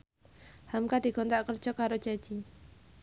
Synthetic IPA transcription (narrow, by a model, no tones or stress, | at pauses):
hamkadi̤ɡ̥ɔnt̪aʔkər̥ʒ̥ɔkaɾo̥d͡ʒ̥ḁd͡ʒ̥i